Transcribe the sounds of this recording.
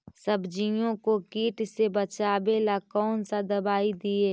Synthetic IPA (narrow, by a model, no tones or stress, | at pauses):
səbʱd͡ʒijõkokiːʈsebət͡ʃaːbeːlakɔːnsad̪ɐbaːid̪ieː